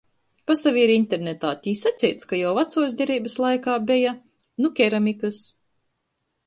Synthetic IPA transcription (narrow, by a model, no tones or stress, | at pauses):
pasaviiɾint̪eɾnet̪aːt̪ʲiːsat̪sʲɛjt̪skajawvat̪suɔːsd̪ʲɛɾiːbɨslˠajkaːbʲɛja | nukʲɛɾamʲikɨs